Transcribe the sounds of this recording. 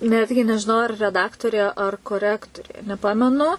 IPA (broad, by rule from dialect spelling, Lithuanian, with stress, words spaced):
ˈnʲæːdʲɡʲɪ nʲɛʒʲɪˈnɐʊ ɐr rʲɛˈdɑːktoːrʲeː ɐr koːˈrʲæːktoːrʲeː nʲɛˈpɑːmʲɛnʊ